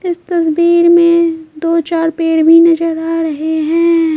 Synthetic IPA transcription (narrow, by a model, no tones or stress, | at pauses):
ɪst̪ɐs̬biːɾmẽd̪oːt͡ʃaːɾpeːɽbʱinɐd͡ʒəɾaːɾɐɦeɦɛ̃ː